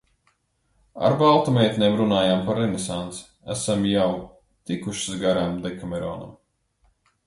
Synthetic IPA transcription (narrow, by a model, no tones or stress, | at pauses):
a̰ɾbalˠt̪ɔmɛjt̪ʲnʲeːmɾunaːjampaɾːɛnesant̪si̥ | æ̰samjaw | t̪ikuʃi̥zɡaɾamd̪ɛkamɛɾɔ̰ːna̰m